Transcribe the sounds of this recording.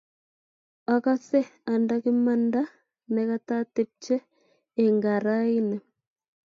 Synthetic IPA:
a˨ka˦se˦a˨ndaki˦ma˦nda˦ | neka˦ta˦tep̚t͡ʃeː˦˨ | ŋɡa˨ɾa˦i˦ne˨

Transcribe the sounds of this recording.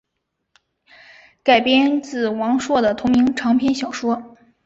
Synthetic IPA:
ka˨˩ɪpjɛ˥nt͡sɹ̩˥˩wɑ˧˥ŋʂwɔ˥˩d̪ə˩t̪ʰʊ˧˥ŋmi˧˥ŋʈ͡ʂʰɑ˧˥ŋpʰjɛ˥nɕjɑ˨˩ʊʂwɔ˥

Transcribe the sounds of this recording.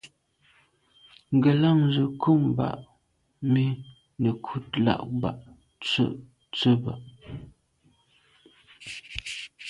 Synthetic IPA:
ŋ̩˨ɡə˨la˦˨ŋzə˨kʰo˦˨mba̰˨ʔ | mi˦ | nə˨kʰu˦˨t̚la̰˦˨ʔba̰˨ʔ | t͡sə̰˦˨ʔ | t͡sə˦ba̰˨ʔ

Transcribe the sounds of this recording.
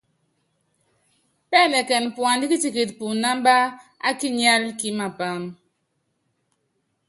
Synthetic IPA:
pɛ˦˨lɛ˨kɛ˨npwa˨n˦di˦ki˦ti˨ki˨t̚pu˨na˦m˦ba˦a˦ki˦ɲa˦lki˦ma˨pa˨m

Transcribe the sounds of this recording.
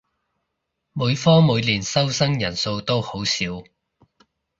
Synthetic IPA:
muː˨˧jfɔː˥muː˨˧jliː˨˩nsɐ˥wsɐ˥ŋjɐ˨˩nso˧wt̪o˥who˨˥wsiː˨˥w

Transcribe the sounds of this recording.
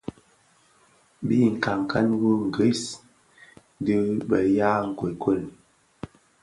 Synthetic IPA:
bi˦˨ŋ̩˨ka˨ŋ˨ka˦nwu˦ŋ̩˨ɡi˦s | dɨ˦bə˨ja˦ŋ̩˨kwe˨kʰo˦˨l

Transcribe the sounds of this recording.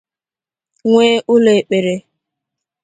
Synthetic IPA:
ŋʷe˦ʔʊ˦le˨k͡pe˨ɾe˨

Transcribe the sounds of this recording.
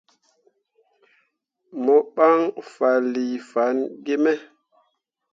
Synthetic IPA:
mɔ˨ɓa˦ŋfa˨li˨fa˨˦nɡe˦mɛ˦

